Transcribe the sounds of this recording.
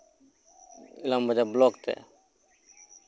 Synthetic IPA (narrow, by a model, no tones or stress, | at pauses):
ɪlambəd͡ʒabloːkt̪ɛ̰